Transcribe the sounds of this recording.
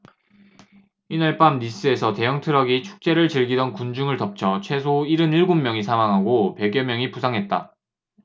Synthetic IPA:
inaɭp͈amnis͈ɯe̞sʰʌte̞jʌŋtʰɯɾʌɡit͡ɕʰu̥k̚t͡ɕ͈e̞ɾɯɭt͡ɕɯɭɡidʌnkund͡ʑuŋɯɭtʌp̚t͡ɕʰʌt͡ɕʰwe̞sʰoiɾɯniɭɡomːjʌŋisʰamaŋɦaɡope̞ɡjʌmjʌŋipusʰaŋɦet̚t͈a

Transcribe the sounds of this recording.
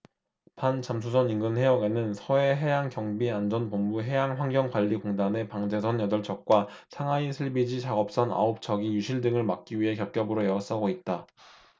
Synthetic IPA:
pant͡ɕams̬ʰusʰʌninɡɯnɦe̞ʌɡe̞nɯnsʰʌwe̞ɦe̞jaŋkjʌŋbiand͡ʑʌnpomːuɦe̞jaŋɸwaŋɡjʌŋkwaʎːikoŋdane̞paŋd͡ʑe̞sʰʌnjʌdʌɭt͡ɕ͈ʰʌk̚k͈wasʰaŋainsʰɯɭbid͡ʑit͡ɕaɡʌp̚s͈ʌna̰op̚t͡ɕʰʌɡijuɕʰiɭdɯŋɯɭmak̚k͈iɥiɦe̞kjʌp̚k͈jʌbɯɾojʌʌs͈aɡoit̚t͈a

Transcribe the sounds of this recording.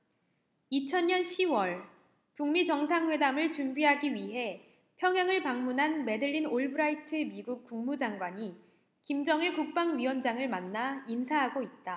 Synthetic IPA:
it͡ɕʰʌnɲʌnɕʰiwʌɭ | kuŋmit͡ɕʌŋsʰaŋɸwe̞damɯɭt͡ɕumbiɦaɡiɥiɦe̞ | pʰjʌŋɦjaŋɯɭpaŋmunɦanme̞dɯʎːinoɭbɯɾaitʰɯmiɡuk̚k͈uŋmud͡ʑaŋɡwaɲi | kimd͡ʑʌŋeɭkuk̚p͈aŋɥiwʌnd͡ʑaŋɯɭmanːainsʰaɦaɡoit̚t͈a

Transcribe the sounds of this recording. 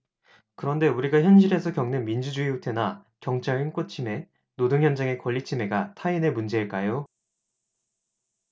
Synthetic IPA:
kɯɾʌnde̞uɾiɡaçjʌnɕ̬ʰiɾe̞sʰʌkjʌŋnenmind͡ʑud͡ʑuiutʰe̞na | kjʌŋt͡ɕʰaɭink͈ot͡ɕʰime̞ | nodoŋjʌnd͡ʑaŋe̞kʌʎːit͡ɕʰime̞ɡatʰaine̞mund͡ʑe̞iɭk͈ajo

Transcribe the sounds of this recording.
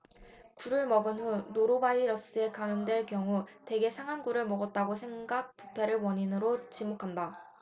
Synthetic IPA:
kuɾɯɭmʌɡɯnɸunoɾobaiɾʌs͈ɯe̞kaŋɯmdwe̞ɭkjʌŋute̞ɡe̞sʰaŋɦanɡuɾɯɭmʌɡʌt̚t͈aɡosʰe̞ŋɡak̚p͈u̥pʰeɾɯɭwʌɲinɯɾot͡ɕimokʰanda

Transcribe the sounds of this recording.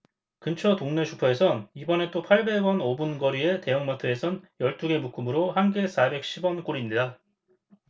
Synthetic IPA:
kɯnt͡ɕʰʌtoŋne̞t͡ɕʰupʰʌe̞sʰʌnibʌne̞t͈opʰaɭbe̞wʌnobunɡʌɾie̞te̞jʌŋmatʰɯe̞sʰʌnjʌɭt͈uɡe̞muk͈ʰɯmɯɾohanɡe̞sʰabe̞k̚ɕ͈ʰibwʌnk͈oɾinːida

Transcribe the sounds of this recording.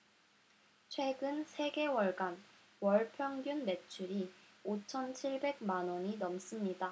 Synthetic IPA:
t͡ɕʰwe̞ɡɯnsʰe̞ɡe̞wʌɭɡan | wʌɭpʰjʌŋɡjunme̞t͡ɕʰuɾiot͡ɕʰʌnt͡ɕʰiɭbe̞ɡ̚manʌɲinʌms͈ɯmɲida

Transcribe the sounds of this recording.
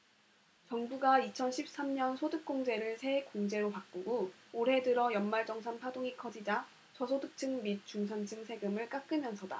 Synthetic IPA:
t͡ɕʌŋbuɡait͡ɕʰʌnɕʰip̚s͈amɲʌnsʰodɯk̚k͈oŋd͡ʑe̞ɾɯɭsʰe̞koŋd͡ʑe̞ɾopak̚k͈oɡoːɾɦe̞dɯɾʌjʌnmaɭd͡ʑʌŋsʰanpʰadoŋikʰʌd͡ʑid͡ʑa | t͡ɕʰʌsʰodɯk̚t͡ɕ͈ʰɯŋmit̚t͡ɕ͈uŋsʰant͡ɕʰɯŋsʰe̞ɡɯmɯɭk͈ak͈ɯmjʌnsʰʌda̰

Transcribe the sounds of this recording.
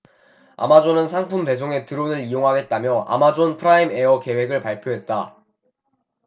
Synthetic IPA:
a̰mad͡ʑonɯnsʰaŋpʰumpe̞s̬ʰoŋe̞tɯɾonɯɭijoŋɦaɡe̞t̚t͈amjʌʔa̰mad͡ʑonpʰɯɾaime̞ʌke̞we̞ɡɯɭpaɭpʰjoɦe̞t̚t͈a̰

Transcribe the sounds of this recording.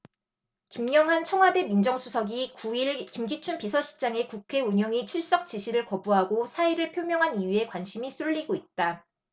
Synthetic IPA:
kimɲʌŋɦant͡ɕʰʌŋɦwade̞mind͡ʑʌŋsʰusʰʌɡikuiɭkimɡit͡ɕʰunpisʰʌɕʰi̥t͡ɕ͈aŋe̞kukʰe̞uɲʌŋit͡ɕʰuɭs͈ʌk̚t͡ɕ͈iɕʰiɾɯɭkʌbuɦaɡosʰaiɾɯɭpʰjomjʌŋɦanijue̞kwanɕʰimisʰuʎːiɡoit̚t͈a

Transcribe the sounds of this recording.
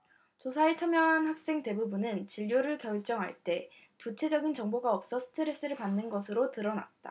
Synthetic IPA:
t͡ɕosʰaet͡ɕʰʌmjʌŋɦanhak̚s͈e̞ŋte̞bubunɯnt͡ɕiʎːjoɾɯɭkjʌɭt͡ɕ͈ʌŋɦa̰ɭt͈e̞ | tut͡ɕʰe̞d͡ʑʌɡint͡ɕʌŋboɡaʌp̚s͈ʌsʰɯ̥tʰɯɾe̞s͈ɯɾɯɭpanːɯnɡʌs̬ʰɯɾotɯɾʌna̰t̚t͈a̰

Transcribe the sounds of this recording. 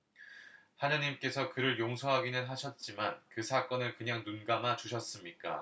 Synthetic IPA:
haɲʌɲimk͈e̞sʰʌkɯɾɯɭjoŋsʰʌɦaɡinɯnɦaɕʰʌt̚t͡ɕ͈imankɯsʰak͈ʌnɯɭkɯɲaŋnunɡamat͡ɕuɕʰʌs͈ɯmɲik͈a̰

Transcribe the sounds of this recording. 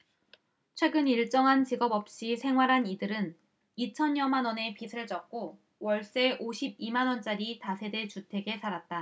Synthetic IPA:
t͡ɕʰwe̞ɡɯniɭt͡ɕ͈ʌŋɦant͡ɕiɡʌbʌp̚ɕ͈isʰe̞ŋɦwaɾɦanidɯɾɯn | it͡ɕʰʌnjʌmanwʌne̞pisʰɯɭt͡ɕ͈ʌk̚k͈o | wʌɭs͈e̞ʔoɕʰib̚imanwʌnt͡ɕ͈aɾitasʰe̞de̞t͡ɕutʰe̞ɡe̞sʰaɾat̚t͈a

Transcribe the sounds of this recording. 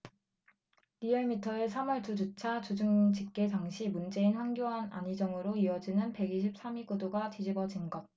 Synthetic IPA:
ɾieɭmitʰʌe̞sʰamʌɭtʰud͡ʑut͡ɕʰat͡ɕud͡ʑɯŋd͡ʑik͈e̞taŋɕʰimund͡ʑe̞inɸwaŋɡjoɦana̰ɲid͡ʑʌŋɯɾoiʌd͡ʑinɯnpe̞ɡiɕ̬ʰip̚s͈amiɡudoɡatid͡ʑibʌd͡ʑinɡʌt̚

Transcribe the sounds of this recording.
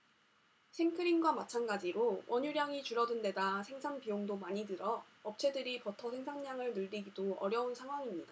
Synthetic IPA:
ɕʰiŋkʰɯɾiŋɡwamat͡ɕʰanɡad͡ʑiɾowʌɲuɾjaŋit͡ɕuɾʌdɯnde̞dasʰe̞ŋsʰaŋpijoŋdomaɲidɯɾʌ | ʌp̚t͡ɕʰe̞dɯɾipʌtʰʌsʰe̞ŋsʰaŋɲaŋɯɭnɯɭːiɡidoʌɾjʌunsʰaŋɦwaŋimɲida

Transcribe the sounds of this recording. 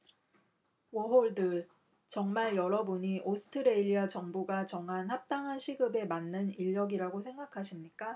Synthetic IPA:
wʌɦoɭdɯɭ | t͡ɕʌŋmaɭjʌɾʌbuɲiʔosʰɯ̥tʰɯɾeiʎːiat͡ɕʌŋbuɡat͡ɕʌŋɦanhap̚t͈aŋɦanɕʰiɡɯbe̞manːɯniʎːʌɡiɾaɡosʰe̞ŋɡakʰaɕʰimɲik͈a

